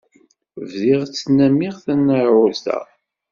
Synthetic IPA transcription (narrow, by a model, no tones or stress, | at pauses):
vðiʁt͡sːnːæmːɪʁθænːəɾʕʊlθæ̰